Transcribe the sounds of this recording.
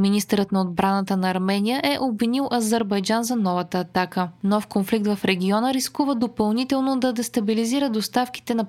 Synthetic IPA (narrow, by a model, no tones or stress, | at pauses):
minist̪ɛɾət̪nɐod̪̚bɾanət̪ənɐːɾmɛnijəʔɛʔobvinilˠʔɐzɛɾbɐjd͡ʒanzɐnɔvət̪əːt̪akənɔfkonflik̚t̪vɐfɾɛɡ̟ʲiɔnəɾiskuvəd̪opɐlˠnit̪ɛlˠnod̪ɐd̪ɛst̪ɐbiliziɾəd̪ost̪afki̥t̪ɛnɐ